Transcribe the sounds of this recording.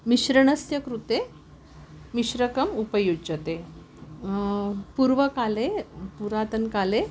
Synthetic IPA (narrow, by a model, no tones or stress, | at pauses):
miɕɾəɳəsjəkɾut̪e | miɕɾəkəmupəjud͡ʑət̪e | puɾʋəkalepuɾat̪ənkale